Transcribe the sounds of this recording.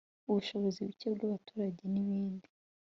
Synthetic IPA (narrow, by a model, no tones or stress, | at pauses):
uβuʃo̞βoziβicebɡaβatuːɾaɟeniβiːndi